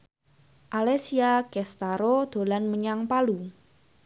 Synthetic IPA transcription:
ʔalɛsiaɡ̥ɛst̪aɾod̪̥o̤lanməɲaŋpalu

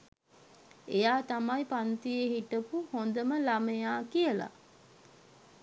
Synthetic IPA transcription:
ejaːt̪amajpant̪ijeɦiʈəpuhond̪əməlamejaːkijəla̰

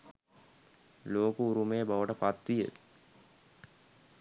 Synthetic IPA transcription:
loːkuuɾumejəbaʋəʈəpat̪ʋijə̰

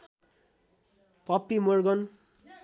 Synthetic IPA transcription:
pʌpːimorɡʌn

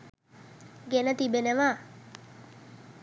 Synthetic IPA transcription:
ɡenət̪ibenəʋa

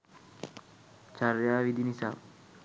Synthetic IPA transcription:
t͡ʃaɾjaːʋid̪inisa̰ː

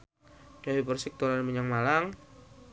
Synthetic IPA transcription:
jawipərsɪk̚t̪olanməɲaŋmalaŋ

